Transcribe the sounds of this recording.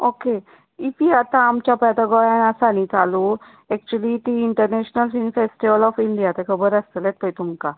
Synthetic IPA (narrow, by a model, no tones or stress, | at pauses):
oke | ipiat̪ãamt͡ɕapɛd̪aɡɔjanasanit͡salu | ɛk̚t͡ɕuəlit̪iːɳʈəɾneɕnəlfinfesʈiʋəlɔfiɳɖijat̪ɛkʰəbəɾəst̪əlɛt̪̚pəjt̪uŋka